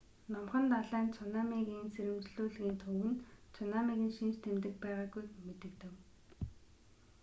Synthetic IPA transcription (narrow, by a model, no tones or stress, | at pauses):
nɔmχə̆nt̪aɮæːnt͡sʰʊnaːmiɣiːnt͡sʰeɾɘ̆mt͡ɕɮuːɮɣiːnt̪ʰɵwɘ̆nt͡sʰʊnamiɣɘ̆nʃint͡ɕt̪ʰemt̪ɘ̆kpæːʁaːɡujmet̪ɘ̆kt̪ɘ̆w